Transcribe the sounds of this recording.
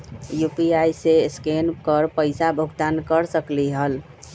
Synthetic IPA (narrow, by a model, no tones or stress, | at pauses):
jupiajseskenkəɾpəɪsabʱuɡt̪ankəɾsəkliɦəl